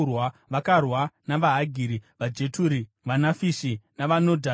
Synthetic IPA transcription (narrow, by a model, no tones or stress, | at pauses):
rwaʋakarwanaʋaɦaɡʱiːɾiʋad͡ʒe̞tuɾi | ʋanafisinaʋanodʱa